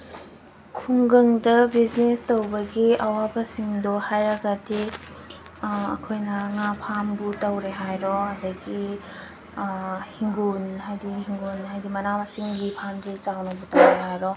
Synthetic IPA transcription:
kʰuŋɡɐŋdɐbid͡ʒnestɐwbɐɡiɐwabɐsiŋdohajɾɐɡɐdi | ɐ̰kʰojnɐŋapʰambutɐwɾeɦajɾɔɐdɐɡi | hiŋɡunɦajdihiŋɡunɦajdimɐnamɐsiŋɡipʰamzit͡ʃawnɐbutɐwɾeɦajɾɔ

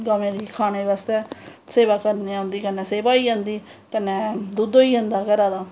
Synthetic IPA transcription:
ɡəmẽːɾiːkʰaːneːʋaːst̪ɛːseːʋaːkəɾneãʊ̃nd̪iːkənːɛːseːpaːiːãːnd̪iː | kənːɛ̃ːd̪uːd̪oːiːãːnd̪aːkəɾaːd̪aː

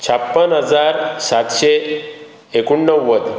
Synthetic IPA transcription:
t͡ɕʰapːənɦəd͡zaɾsat̪ɕe | ekuɳːəwːəd̪

